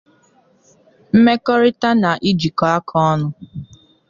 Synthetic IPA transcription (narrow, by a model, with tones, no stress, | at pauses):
m̩˦me˦kɔ˦ɾɪ˦ta˦na˨ʔi˦d͡ʒi˨kɔ˨a˦kʰɔ˦ɔ˦nʊ˦